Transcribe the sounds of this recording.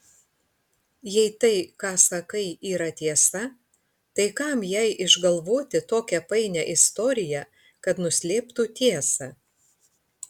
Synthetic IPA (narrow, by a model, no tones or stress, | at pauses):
jɛɪt̪ɐɪkɑːsɐkɐɪiːɾɐt̪ʲiɛsɐ | t̪ɐɪkɐˑmjɛɪʔɪʒɡɐlˠʋoːt̪ʲɪt̪oːkʲɛpɐɪnʲɛʔɪst̪ɔɾʲɪjɛ | kɐt̪nʊsʲlʲeːpt̪uːt̪ʲiɛsɐ